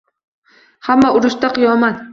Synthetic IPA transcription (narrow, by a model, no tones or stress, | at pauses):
hamːaʊɾʊʃt̪aqʰɨjɒmat̪